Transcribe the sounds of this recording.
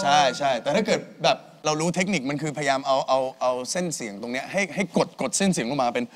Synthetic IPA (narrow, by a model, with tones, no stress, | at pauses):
t͡ɕʰa˥˩jt͡ɕʰa˥˩jt̪ɛː˨˩t̪ʰa˥˩kɤː˨˩t̪̚bɛː˨˩p̚ | ɾa˧wɾuː˦˥t̪ʰe˦˥k̚ni˨˩k̚ma˧nkʰɯː˧pʰa˧ja˧jaː˧mʔa˧wʔa˧wʔa˧wse˥˩nsi˩˦əŋt̪o˧ŋni˦˥ɐɦa˥˩jɦa˥˩jko˨˩t̪̚ko˨˩t̪̚se˥˩nsi˨˩˦ŋkʰa˥˩maː˧pe˧n